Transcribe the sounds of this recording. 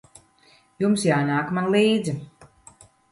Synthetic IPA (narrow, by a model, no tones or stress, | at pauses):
jumsjaːnaːkmanlˠiːd̪zi